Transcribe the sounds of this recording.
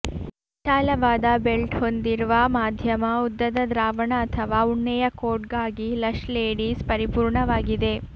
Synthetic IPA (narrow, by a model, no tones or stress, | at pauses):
ʃaːlɐʋaːd̪ɐbelʈhond̪iɾuʋɐmaːd̪ʱjɐmɐud̪ːɐd̪ɐd̪ɾaːʋɐɳɐːt̪ʰɐʋaːuɳːɛjɐkoːʈɡaːɡilɐʂleːɽiːspɐɾipuːɾɳɐʋaːɡid̪e̞